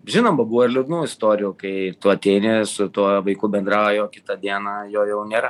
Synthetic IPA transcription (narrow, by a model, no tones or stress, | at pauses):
ʒʲɪnoːmbɐbuʋɐɪrlʲɪd̪nuːɪst̪oːɾʲɪjuːkɐɪt̪uɐt̪ʲeɪnʲesʊt̪uɔʋɐɪkʊːbʲɛnd̪ɾɑːojoːkʲɪt̪ɐd̪ʲiɛnɑːjoːjɛʊnʲeːɾɐ